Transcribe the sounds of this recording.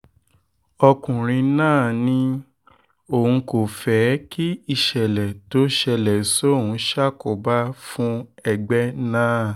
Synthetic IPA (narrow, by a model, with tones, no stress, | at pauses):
ɔ˧kũ˨ɾ̃ĩ˧nãː˦˨nĩ˧˦ | o˦˨ũ˧˦ko˨fɛ˨˦ki˦i˦˧˨ʃɛ˨lɛ˨to˨˦ʃɛ˧˨lɛ˨so˦˨wũ˨˦ʃa˦ko˨ba˦fũ˦ɛ˧ɡ͡bɛ˦nãː˦˨